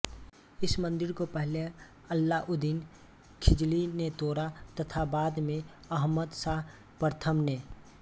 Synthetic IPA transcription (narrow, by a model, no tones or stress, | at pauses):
ɪsmə̃nd̪ɪɾkopɛɦle | əlːaʔʊd̪iːn | kʰɪd͡ʒlinet̪oːɾat̪ət̪ʰabaːd̪mẽ | ɐɦməd̪saːɦ | pəɾt̪ʰəmneː